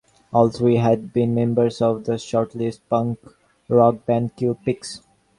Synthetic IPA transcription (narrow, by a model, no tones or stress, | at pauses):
ʔɔːlsoiɦæɖ̚bĩːnmẽmbəɾzɔʋd̪əʃɔːɾʈlisʈ̚pʌ̃ŋk | ɾɔk̚bæ̃nkjuːpɪks